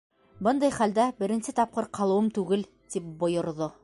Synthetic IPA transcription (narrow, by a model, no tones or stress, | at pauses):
bɤnd̪ɑjχæld̪æbɘ̆ɾɘ̆nsɘt̪ɑp̚qɤɾqʰɑlˠɤ̆wɤmt̪ʉɡɘl | t̪ip̚bŏjŏɾðo